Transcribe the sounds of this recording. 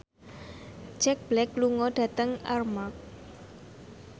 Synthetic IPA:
t͡ʃɛk̚b̥lɛk̚luŋɔɖ̥ä̤t̪əŋarmak̚

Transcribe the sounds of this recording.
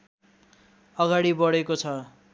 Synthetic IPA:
ʌɡaɽibʌɽekot͡sʰʌ

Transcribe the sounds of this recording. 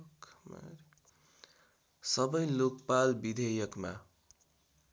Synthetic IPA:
km̰ɾ | sʌbʌjlokpalbid̪ʱʌjʌkma̰

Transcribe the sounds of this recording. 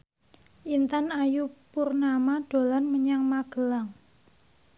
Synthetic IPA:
ʔint̪anajupurnamaɖ̪̥o̤lanməɲaŋmaɡ̥ə̤laŋ

